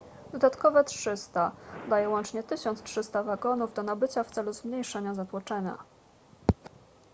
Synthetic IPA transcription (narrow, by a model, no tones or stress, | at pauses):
d̪̥ɔd̪at̪kɔvɛtʂɘst̪ad̪ajɛwɔnt͡ʂɲɛt̪ɘɕɔnt̪stʂɘst̪avaɡɔnuvd̪ɔnabɘt͡ɕaft̪sɛluzmɲejʂɛɲazat̪wɔt͡ʂɛɲa̰